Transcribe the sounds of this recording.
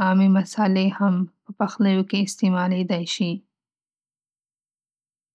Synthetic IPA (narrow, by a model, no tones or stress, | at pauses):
ɑmimasalehampəpaxləjokeɪst̪emɑled̪ajʃi